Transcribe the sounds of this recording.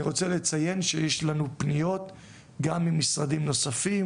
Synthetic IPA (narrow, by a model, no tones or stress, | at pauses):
iʁo̞t͡sele̞t͡saje̞nʃejeʃlanupnijo̞t̪ | ɡamimisʁadimno̞safi